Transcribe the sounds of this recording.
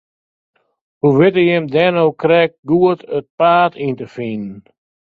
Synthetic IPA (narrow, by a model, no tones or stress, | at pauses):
huʋɪtəjɛmdɛnowkrɛk̚ɡuətət̚paːtʰintəfinn